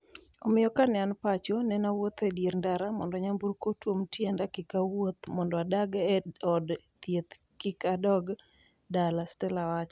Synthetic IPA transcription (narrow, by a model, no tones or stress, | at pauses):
ɔmɪjɔkanɪanpat͡ʃɔnɛnawot̪ɛdjeɾndaɾamɔndɔɲamburkotwomtjendakɪkawot̪mɔndɔadaɡɛɔdt̪jet̪ | kɪkadɔɡ | dalastɛlawat͡ʃ